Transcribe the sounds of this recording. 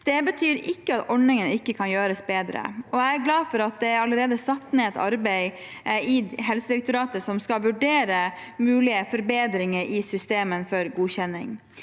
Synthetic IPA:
d̪̥ɛbət̪ʰyːɾɪkːəɑt̪ʰɔɳnɪŋənɪkːəkʰɑnjøːɾəsbeːd̪ɾə̰ʔɔæɪæɾɡlɑːfɔɾɑt̪̚d̪ɛæɾɑləɾeːd̪əsɑt̪ːneːɛt̪ʰɑ̰ɾbɛɪ | ɪɦɛlsəd̪ɪɾɛk̚t̪ʊɾɑːt̪əsɔmskɑʋʉɖeːɾə | mʉːlɪəfɔɾbeːd̪ɾɪŋəɾɪsʏst̪eːmənfɔɾɡuːçɛnːɪ̰ŋ

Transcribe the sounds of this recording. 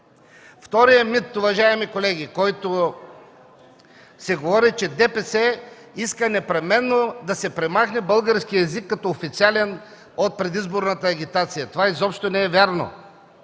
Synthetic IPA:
ft̪ɔɾijəmit̪ʊvɐʒaɛmikolɛɡʲikɔjt̪o | sɛɡovɔɾit͡ʃɛd̪ɛpɛsɛ | iskənɛpɾɛmɛnːod̪ɐsɛpɾɛmaxnɛbɤlˠɡəɾskiɛzikːɐt̪ɔofit̪sialɛn | ot̪̚pɾɛd̪izboɾnət̪əɐɡʲit̪at̪sijɐt̪ovaizɔpʃt̪onɛɛvʲjaɾno̰

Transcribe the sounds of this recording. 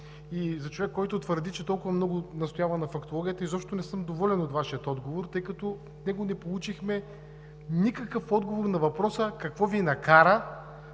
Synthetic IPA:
izɐt͡ʃovɛkːɔjt̪ʊt̪vəɾd̪it͡ʃɛt̪ɔlˠkʊvɐmnɔɡʊnɐst̪ojavɐnɐfɐkt̪olˠɔɡʲijət̪əizɔpʃt̪onɛsɤmd̪ovɔlɛnot̪vaʃijət̪ɔd̪ɡovoɾt̪ɤjkɐt̪ɔ | snɛɡonɛpolˠut͡ʃixmɛ | nikɐkəfɔd̪ɡovoɾnɐvɐpɾɔsəkɐkvɔvinɐkaɾə

